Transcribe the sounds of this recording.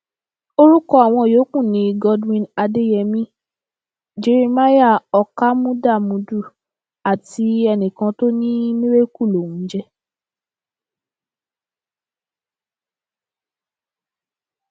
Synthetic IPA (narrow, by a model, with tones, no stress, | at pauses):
o˦ɾu˦kɔ˦a˨w̃ɔ̃˧˨jo˨˦kũ˦˨nĩ˨˧ɡɔ˧dwĩ˧na˧de˦jɛ˧mĩ˦ | d͡ʒe˧ɾe˧ma˦ja˦˨ɔ˧ka˦mũ˦da˦˨mũ˧du˦˨ | a˨ti˨˧˦ɛ˧nĩ˨kã˧to˦nĩ˦mĩ˦ɾe˦ku˦˨lo˨wũ˨˦d͡ʒɛ˦